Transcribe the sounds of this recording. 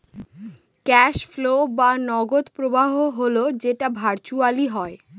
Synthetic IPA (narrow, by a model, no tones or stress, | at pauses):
kɛʃflobanɔɡod̪pɾobaɦoɦolod͡ʑeʈabʱaɾt͡ɕualiɦɔe